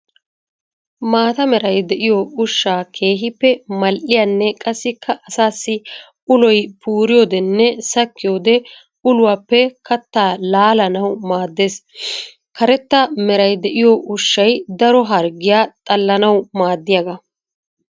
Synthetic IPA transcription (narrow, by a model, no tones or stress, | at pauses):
maːt̪ɐmɛɾɐjd̪ɛʔɪjɔʊʃːaːkʰe̞ːɦɪpːɛmɐlʔɪjaːnːɛkʼɐsːɪkʰːɐʔɐsaːsːɪ | ʊlɔjpʰuːɾɪjoːd̪ɛnːɛsɐkːɪjoːd̪ɛ | ʊlʊwaːpːɛkɐt̪ːaːlaːlɐnɐwmaːd̪ːeːs | kɐɾɛt̪ːɐmɛɾɐjd̪ɛʔɪjɔʔʊʃːɐjd̪ɐɾɔɦɐɾɡɪjaːt̪ʼɐlːɐnɐwmaːd̪ːɪjɐɡɐ